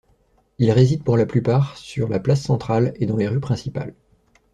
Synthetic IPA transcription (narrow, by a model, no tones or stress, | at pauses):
ilʁezid̪̚puʁlaplypaʁsyʁlaplasːɑ̃t̪χaled̪ɑ̃leʁypχɛ̃sipa̰l